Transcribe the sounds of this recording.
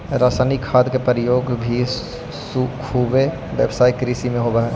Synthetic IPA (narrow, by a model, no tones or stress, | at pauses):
ɾaːsaːnikʰːaːd̪kepɾəɾəjoːɡbʱi | sukʰuːbe | ʋebsaːikɾiːsimẽɦoːbaɦɛ